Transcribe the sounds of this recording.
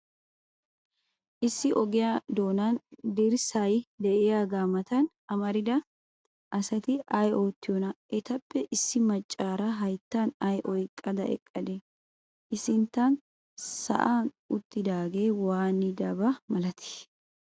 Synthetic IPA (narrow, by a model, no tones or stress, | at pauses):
ʔɪsːɪʔɔɡɪjad̪o̞ːnɐnd̪ɪɾsajd̪ɛʔɪjaɡaːmɐt̪ɐn | ɐmɐɾɪd̪ɐ | ʔɐsɐt̪ɪɐjo̞ːt̪ːɪjɔnɐʔɛt̪ɐpːɛʔɪsːɪmɐt͡ʃʼːaːɾɐɦɐjt̪ːɐnɐjʔɔjkʼːɐd̪ɐʔɛ̰kʼːɐd̪e | ʔɪsɪnt̪ːɐn | sɐ̰ʔaːn | ʊt̪ːɪd̪aːɡeːwaːnːɪd̪ɐbɐmɐlɐt̪ʰɪ̥